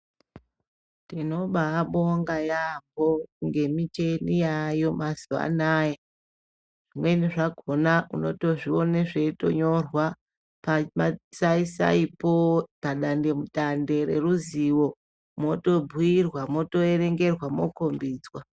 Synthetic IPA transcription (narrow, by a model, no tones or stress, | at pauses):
tino̞ɓaːɓoŋɡajamboŋɡe̞mit͡ʃe̞nijajo̞mazuʋa̰naːje | ʐ̥imwe̞niʐaɡʱo̞nauno̞to̞ʐio̞neʐe̞to̞̰ɲo̞rwa | pamasaisa̰ipopaɗande̞muɗande̞ɾe̞̰ruziwo̞ | mo̞to̞bʱuirwamo̞to̞eɾe̞ŋɡe̞rwamokombiːd͡zwa